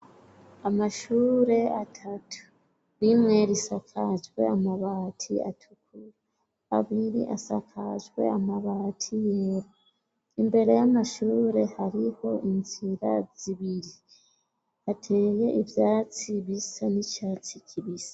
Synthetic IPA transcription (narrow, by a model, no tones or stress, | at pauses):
amaʃuːɾe̞atʰatu̥ | βimŋeɾisakʰaʒɡwe̞̰amaβatʰḭa̰tʰukʰuɾa | a̰βiɾḭʔa̰sakʰa̰ʒɡwe̞̰amaβaːtʰijeɾo | imbe̞ɾe̞jamaʃuːɾe̞haɾiho̞inziɾa̰ziβiɾi | atʰe̞ːje̞ʔivjaːt͡siβisanit͡ʃaːt͡sicʰiβisḁ